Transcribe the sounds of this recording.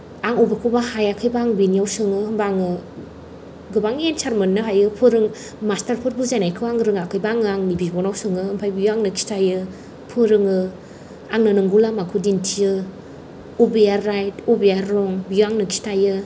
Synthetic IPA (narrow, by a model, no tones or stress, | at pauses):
aŋɔbekʰubahajakʰɯjbaŋbinijawsɯŋɯɯmbaŋɯ | ɡɯbaŋensaɾmɯnːɯɦajɯpʰɯɾɯŋ | mastaɾpʰut̚buzanajkʰɯwaŋɾɯŋakʰɯjbaŋɯaŋnibibɔnawsɯŋɯhɯmpʰajbijaŋnɯkʰi̥stʰajɯ | pʰɯɾɯŋɯ | aŋnɯnɯŋɡulamakʰudintʰijɯ | obejaɾːajtobejaɾːɔŋbijaŋnɯkʰi̥stajɯ